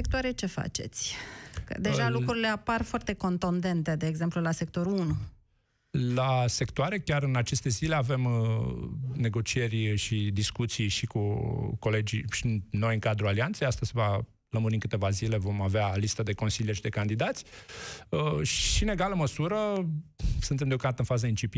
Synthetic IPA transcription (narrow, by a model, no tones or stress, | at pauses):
sekt̪owaɾet͡ʃe̞fa̰t͡ʃe̞̰t̪sʲə̰d̪eʒalukɾuɾile̞aparfoart̪e̞ko̞nt̪ond̪e̞nt̪e̞d̪e̞ːɡze̞mplulase̞k̚t̪oɾuunu | lase̞kt̪oaɾe̞kʲaɾɨnat͡ʃe̞st̪e̞zile̞ave̞m | ne̞ɡo̞t͡ʃie̞rʲʃid̪iskut̪sijʃikuko̞le̞d͡ʒiʃino̞jɨŋkad̪ɾualiant̪sejast̪əzseva | ləmuɾiŋkɨt̪e̞vazile̞vo̞mavealist̪əd̪e̞ko̞nsilijeʃid̪e̞kand̪id̪at̪sʲ | əʃʃine̞ɡaləməsuɾə | sɨnt̪̬emd̪eokamd̪at̪ɨnfazəint͡ʃip